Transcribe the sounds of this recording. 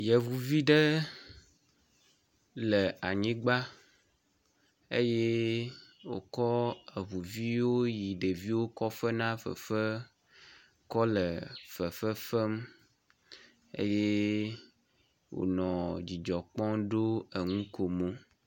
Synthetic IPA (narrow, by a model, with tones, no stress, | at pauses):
jə˨vu˨vi˦ɖə˦ | lə˨a˨ɲĩ˦ɡ͡ba˦ | ḛ˦je˦ | wo̰˨kɔ˦ə˨vu˨vi˦wo˦ji˨ɖe˨vi˦wo˦kɔ˦fə˦nã˦fə̰˨fə˦ | kɔ˦lə˨fə˨fə˦fə˦m | ḛ˦je˦ | wo̰˨nɔ̃˨d͡ʑi˨d͡ʒɔ˨k͡pɔ̃˦ɖo˦ə˨ŋũ˦ko˨mõ˦